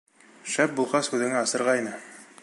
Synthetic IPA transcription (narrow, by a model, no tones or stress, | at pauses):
ʃæp̚bulˠʁɑshʉðɘ̆ŋæɑsɤ̆ɾʁɑinɘ